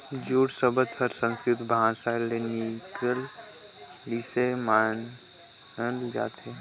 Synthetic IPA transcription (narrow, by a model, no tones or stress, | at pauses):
d͡ʒuːɽsəbəd̪pʰəɾsə̃nskɾɪt̪bʱãːsalenikəl | lisemaːn | əld͡ʒa̰ːt̪e